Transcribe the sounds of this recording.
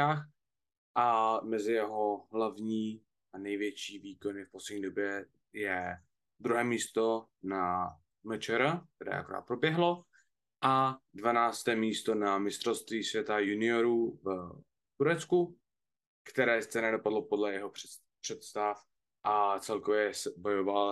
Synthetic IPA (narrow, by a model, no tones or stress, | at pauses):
aːx | ʔamɛzɪjɛɦo̞ɦlavɲiː | anɛjvjɛt͡ʃiːviːkonɪfposlɛdɲiːdo̞bjɛ | jɛ | d̪ɾuɦɛːmiːst̪ona | mɛt͡ʃɛɾak̚t̪ɛɾɛ̰ːʔa̰koɾa̰ːt̪̚pɾo̞bjɛɦlo̞ | ʔadvanaːt͡st̪ɛːmiːst̪o̞namɪst̪rost̪viːsvjɛt̪ajunɪoɾuv | t̪uɾɛt̪t͡sku | kt̪ɛɾɛːst͡sɛnɛdo̞padlo̞po̞dlɛjɛɦo̞ɛ | pr̥ɛt̪st̪af | ʔat͡sɛlkovjɛsɛbo̞joval